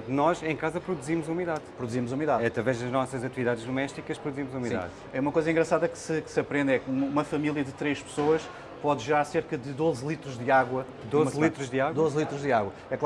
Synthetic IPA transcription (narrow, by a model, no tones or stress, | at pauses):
t̪nɔʃẽj̃kazɐpɾuðuzimuzumiðaðpɾuðuzimuzumiðaðɐt̪ɾɐvɛʒðɐʒnɔsɐzɐt̪iviðaðʒd̪umɛʃt̪ikɐʃpɾuðuzimuzumiða̰ð | ɛumɐkojzɐĩŋɡɾɐsaðɐkɨ̥sɨksɐpɾẽnd̪ɛkumɐumɐfɐmilˠjɐðɨt̪ɾeʃpɨ̥soɐʃ | pɔðʒɨɾaɾseɾkɐðɨd̪ozlˠit̪ɾuʒd̪ɨaɣwɐ | d̪ozɐlˠit̪ɾuʒd̪ɨaɣɐd̪ozlˠit̪ɾuʒðɨaɣwɐ | ɛklˠ